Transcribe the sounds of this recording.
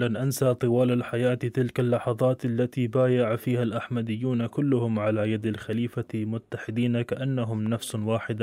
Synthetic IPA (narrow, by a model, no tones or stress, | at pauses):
lanʔansat̪ˤɨwaːlalħajaːt̪it̪ɪlkalːɑħɑðˤɑːt̪alːat̪ibaːjaʕafiːhalʔaħmad̪ɪjːuːnakʊlːʊhʊmʕalajad̪alxaliːfamʊt̪ːaħɪd̪iːnakaʔanːaɦʊmnafswaːħɪd̪